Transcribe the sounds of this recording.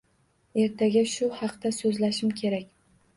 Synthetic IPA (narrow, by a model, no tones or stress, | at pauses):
e̞ɾt̪ʰaɡʲaʃʊhɑqt̪asɵzlaʃɪmkʲʰe̞ɾakʲ